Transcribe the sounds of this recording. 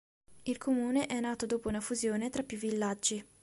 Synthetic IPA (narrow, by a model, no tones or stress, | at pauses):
ilkʰomuːneʔɛnːaːt̪od̪oːpounafuzjoːnet̪ɾapːjuvːilːad͡ʒːi